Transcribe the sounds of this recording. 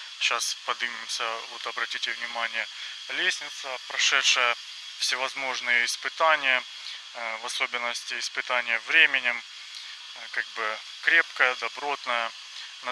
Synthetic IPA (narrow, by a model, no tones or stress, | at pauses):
ɕaspɐd̪ɨmʲɪmsʲəvot̪ɐbɾɐtʲitʲɪvnʲɪmanʲɪjə | lʲesʲnʲɪt̪səpɾɐʂɛt̪ʂəjə | fsʲɪvɐzmo̞ʐnɨjəɪspɨt̪anʲɪjə | vɐso̞bʲɪnːəsʲtʲɪːspɨt̪anʲɪjəvɾʲemʲɪnʲɪm | kaɡ̚bɨ | kɾʲepkəjəd̪ɐbɾo̞t̪nəjə | nɐ